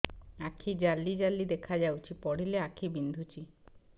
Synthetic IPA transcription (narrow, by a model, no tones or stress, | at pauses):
akʰid͡ʑalːid͡ʑalːid̪ekʰad͡ʑawt͡ʃʰipɔɽileakʰibind̪ʱut͡ɕi